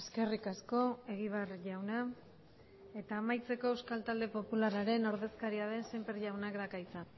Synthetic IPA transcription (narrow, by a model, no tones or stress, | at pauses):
eske̞rikasko̞e̞ɣ̞iβ̞arʝawna | e̞t̪aːmajt͡se̞ko̞ewskalt̪ald̪e̞po̞pulaɾaɾe̞no̞ɾðe̞skaɾiaðe̞nsempeɾʝawnakd̪akait͡sa